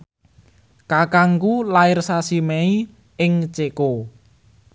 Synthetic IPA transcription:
kakaŋkulaɪrsasimei | ɪŋt͡ʃeko

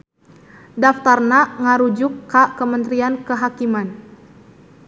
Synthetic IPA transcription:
daft̪arnaŋaɾud͡ʒʊkːakəmənt̪ɾiankəɦakiman

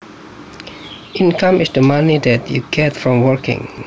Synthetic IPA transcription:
ʔĩnkãmɪsdəmanidɛtʰjuɡ̥ɛtfɹɔ̃mwəɹkɪ̰̃ŋ

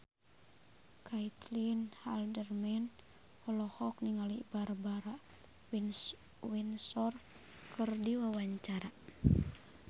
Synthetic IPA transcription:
kʰait̪linhaldərmɛn | hɔlɔhɔk̚niŋalibaɾbaɾa | win | winsɔr | kɨrdiwawaɲt͡ʃaɾa

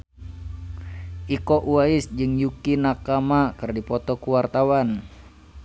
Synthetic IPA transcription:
ʔikɔʔuaɪsd͡ʒɨŋjukinakamakɨrdipɔt̪ɔkuwart̪awan

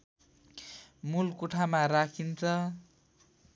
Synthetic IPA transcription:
mulkuʈʰamaɾakʰint͡sʰʌ

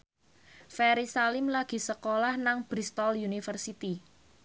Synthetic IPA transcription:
fɛɾisalɪmlaɡ̥i̤səkolahnaŋb̥ɾist̪ɔljunifərsit̪i

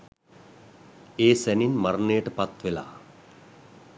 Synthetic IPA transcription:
eːsæninmaɾnejəʈəpat̪ʋela̰ː

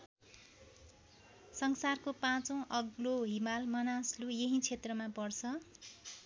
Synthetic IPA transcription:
sʌŋsarkopãt͡sʌw̃ʔʌɡloɦimalmʌnaslujeɦĩt͡sʰet̪rʌmapʌrt͡sʰʌ

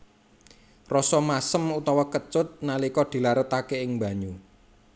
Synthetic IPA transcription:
rɔsɔmasəmut̪ɔwɔkət͡ʃʊt̪̚nalikɔd̪̥i̤laɾʊt̪akeɪŋba̤ɲu

